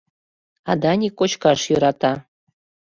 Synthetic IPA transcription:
ɑd̪ɑnʲikot͡ɕkɑʃjoɾɑt̪ɑ

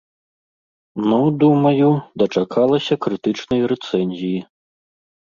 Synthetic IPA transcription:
nɐwd̪umɐjud̪ɐt͡ʂakʰalˠɐsʲɐkɾɨt̪ɨt͡ʂnɐjɾɛt̪sɛnʲzʲiji

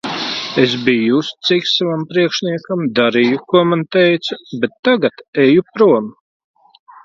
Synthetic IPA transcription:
esbijust̪siksavampɾiɛkʃnʲiɛkamd̪aɾijukuɔmant̪ɛjt̪subet̪ːaɡat̪ɛjupɾuɔm

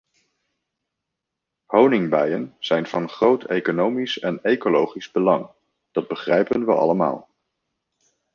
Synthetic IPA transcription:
hownɪŋbajənz̥ɛjnv̥ɑnχrowtʰejkonowmisɛnejkolowχizbəlɑŋ | d̥ɑd̚bəχrɛjpənʋəɑ̰ləma̰ːlˠ

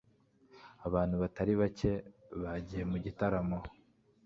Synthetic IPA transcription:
aβaːnhuβataɾiβace̞βaɟije̞muɟitaɾamo

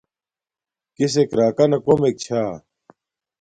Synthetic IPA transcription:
kis̬ekɾaːkɐnɐkomek̚t͡ɕʰaː

